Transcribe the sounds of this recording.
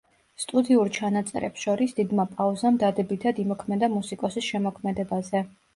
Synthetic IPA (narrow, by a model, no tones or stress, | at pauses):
st̪ʼud̪iuɾt͡ʃʰanat̪sʼɛ̰ɾɛ̰psʃɔɾisd̪̥id̪mapʼauzamd̪ad̪ɛbit̪ʰad̪imɔkʰmɛd̪amusikʼɔsisʃɛmɔkʰmɛd̪ɛbazɛ